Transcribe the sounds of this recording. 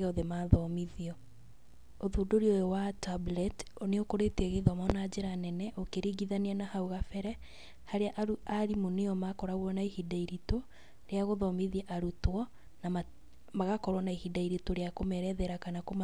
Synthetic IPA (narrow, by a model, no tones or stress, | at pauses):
ɔðemaðɔmiðiɔ | oðudoɾojowatablɛtoneokoɾeteɣeðɔmɔnad͡ʒeɾanɛnɛʔokeɾiɡiðanianahauɣafɛɾɛ | haɾeaʔɾuaɾimuneɔmakɔɾaɣwɔnaihidaiɾito | ɾeaɣoðɔmiðiaʔaɾutwɔ | nama | maɣakɔɾwɔnaihidaiɾitoɾeakomɛɾɛðɛɾakanakoma